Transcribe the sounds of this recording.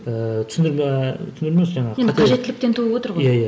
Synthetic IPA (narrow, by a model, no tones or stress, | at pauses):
ət̪ʰʏ̥sɪnd̪ɪɾmt̪ʏsɪnd̪ɪɾmemsʒɑɴɑʁenqʰɑʒe̞t̪ːɪlɪk̚t̪e̞nt̪ʰuəwot̪əɾʁojaja